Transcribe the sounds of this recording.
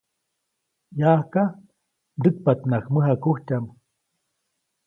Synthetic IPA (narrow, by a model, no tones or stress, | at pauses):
jaːhka | d̪ɨk̚pat̪nakməɦakuht͡ʃam